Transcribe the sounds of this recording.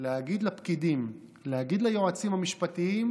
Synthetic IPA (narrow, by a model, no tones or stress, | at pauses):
leaɡid̪lapkid̪im | lehaɡid̪lajoat͡simhamiʃpat̪iim